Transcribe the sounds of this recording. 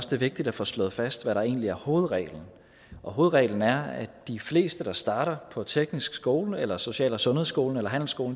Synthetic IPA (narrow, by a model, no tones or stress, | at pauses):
sd̥e̝ʋe̝ɡ̥̚d̥id̥æfɒ̰slɔ̽ð̩ˠfæsd̥ʋæɾɑ̈e̝̰ːnliæɐho̝ːð̞̩ˠʁɛ̰ːln̩ | ɒ̽ɦo̝ːð̩ˠʁɛ̰ːln̩æɐæd̥ifle̝̰ːsd̥əd̥ɑ̈sd̥ɑ̈ːɾ̥ɐpʰɒ̽t͡sʰeɡ̥nisɡ̥sɡ̥o̝ːlelɐso̝ɕɛ̰ːlɐsɔ̽nheðˠsɡ̥o̝̰ːln̩elɐɦæn̰l̩sɡ̥o̝ːln̩